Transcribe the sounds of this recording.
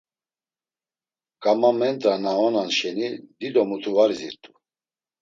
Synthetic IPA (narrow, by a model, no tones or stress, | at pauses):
kʼamamɛnt̪ʼɾanaɔnanʃɛnid̪id̪ɔmut̪ʰuvaɾiziɾt̪ʼu